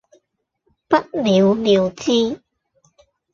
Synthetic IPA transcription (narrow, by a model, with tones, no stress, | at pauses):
pɐ˥t̚liː˨˧wliː˨˧wt͡siː˥